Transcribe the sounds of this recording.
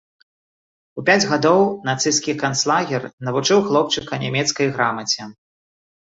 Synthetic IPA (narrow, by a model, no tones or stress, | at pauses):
upʲad͡zʲɣad̪ɔwnat̪sɨskʲikanslˠaɣʲɛrnɐvut͡ʂɨwxlˠɔp̚t͡ʂɨkɐnʲamʲɛt̪skɐjɣɾamɐt͡sʲɛ